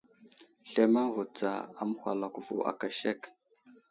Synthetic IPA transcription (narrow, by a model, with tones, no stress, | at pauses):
ɬe˦ma˦ŋvu˨t͡sa̰˨a˦m˦kʷa˨la˨ku˨vṵ˨ʔa̰˨ka˨ʃe˦˨k